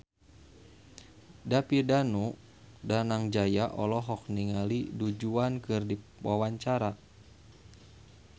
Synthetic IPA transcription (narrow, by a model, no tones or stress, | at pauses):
dapidanu | danaŋd͡ʒajaʔɔlɔɦɔk̚niŋalidud͡ʒuankɨrdiwawaɲt͡ʃaɾa